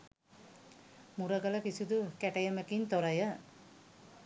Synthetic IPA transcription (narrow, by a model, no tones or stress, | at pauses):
muɾɐɡələkisud̪ukɛʈɐjəmekint̪oɾɐjə